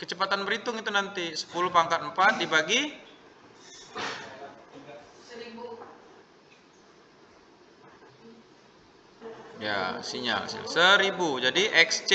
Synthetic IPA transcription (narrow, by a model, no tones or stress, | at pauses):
kət͡ʃəpat̪anbəɾit̪ʊŋit̪unant̪isə̥pulʊpaŋkat̪əmpat̪̚dibaɡi | ibu | ja̰siɲa̰lsḭa̰səɾibud͡ʒadiʔɛkst͡ʃ